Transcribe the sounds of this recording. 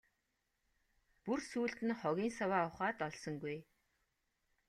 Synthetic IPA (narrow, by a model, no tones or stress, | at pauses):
pursuːɮt̪ɘ̆nχɔɣʲiːnsawaːʊχaːt̪ɔɮsɞ̆ŋɡuj